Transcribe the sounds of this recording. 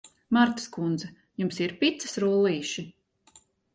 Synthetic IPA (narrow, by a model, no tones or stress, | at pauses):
maɾt̪ḁskund̪zɛ | jumsiɾpʲit̪səsɾuɔlˠiːʃi